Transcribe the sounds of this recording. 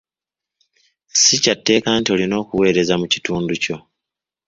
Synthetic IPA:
sicatːe̞ːkaːntio̞lino̞ːkuwe̞ːɾe̞zamuci̥tuːnduco̞

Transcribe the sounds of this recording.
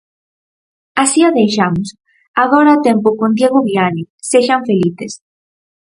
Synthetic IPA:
asiaðejʃamos | aɣoɾaːt̪empokond̪jeɣoβiani | seʃaɱfeliθes

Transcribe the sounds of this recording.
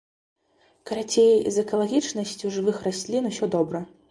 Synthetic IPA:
kɐɾat͡sʲejiʔḭzɛkɐlˠaɣʲit͡ʂnɐsʲt͡sʲuʐɨvɨxrasʲlʲinusʲɔd̪ɔbɾɐ

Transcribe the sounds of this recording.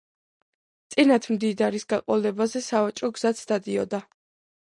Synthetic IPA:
t̪sʼinat̪ʰmd̪id̪aɾisɡaqʼɔlɛbazɛsavat͡ʃʼɾɔɡz̥at̪sʰd̪ad̪iɔd̪a

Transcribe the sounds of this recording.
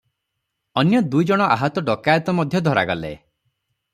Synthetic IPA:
ɔnjɔd̪ujd͡ʒɔɽ̃ɔʔaɦɔt̪ɔɖɔkajɔt̪ɔmɔd̪ʱjɔd̪ʱɔɾa̰ɡɔlḛ

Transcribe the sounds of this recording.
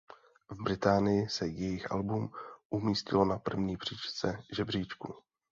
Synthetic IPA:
vbɾɪt̪aːnɪjɪsɛjɛjɪxʔa̰lbumʔumiːscɪlo̞napr̩vɲiːpr̥iːt͡ʃt͡sɛʒɛbriːt͡ʃkṵ

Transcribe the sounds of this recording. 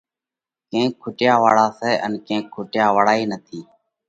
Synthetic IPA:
kẽːkʰːʊʈɪjaːʋaːɽaːsɛːʔənkẽːkʰːʊʈjaːʋəɽaːiːnət̪ʰiː

